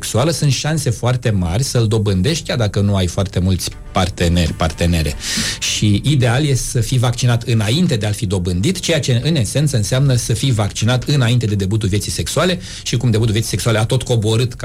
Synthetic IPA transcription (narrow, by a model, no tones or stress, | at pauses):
ksualəsunt̪ʃanse̞foart̪e̞ma̰rʲsəld̪o̞bɨnd̪e̞ʃt̪̚ʲkʲard̪akənuajfoart̪e̞mult̪sʲ | part̪e̞ne̞̰rʲpart̪e̞neɾʲeʃiʔid̪e̞aljesəfivakt͡ʃinat̪ɨnaint̪ed̪e̞alfid̪o̞bɨnd̪it̪t͡ʃe̞jat͡ʃe̞ɨne̞se̞nt̪səɨnseamnəsəfijvakt͡ʃinat̪ɨnaint̪e̞d̪e̞d̪e̞but̪̬ulvje̞t̪sijse̞ksuale̞ | ʃikumd̪e̞but̪ulvjet̪si̥seksualeat̪o̞t̪ko̞bo̞ɾɨt̪k